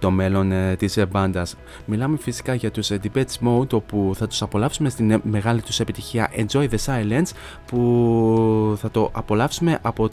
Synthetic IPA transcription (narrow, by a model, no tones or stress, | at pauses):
t̪o̞me̞lo̞nt̪isebɐnd̪ɐs | milɐme̞fisi̥kɐʝɐt̪usend̪ipet̪smount̪o̞puθɐt̪u̥sɐpo̞lɐfsume̞st̪inme̞ɣɐlit̪use̞pit̪içiɐ̰ʔe̞nzoiðesɐjlens | pu | θɐt̪o̞ʔɐpo̞lɐfsume̞ʔɐpo̞